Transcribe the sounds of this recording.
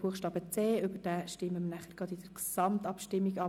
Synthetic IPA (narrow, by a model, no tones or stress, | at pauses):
buəχʃtɑːbət͡seːøbəd̥æːʃtɪməmənæχəɾɡ̥ʁɑd̪ɪd̥əɾksɑmt̪ɑpʃtɪmːiɡɑ